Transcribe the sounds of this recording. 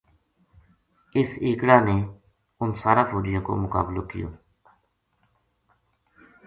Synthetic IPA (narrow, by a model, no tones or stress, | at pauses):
ɪsiːkɽaːneː | ʊnsaːɾaːpʰoːɖɪjõːko̰ːmʊka̰ːblo̰ːkɪjo̰ː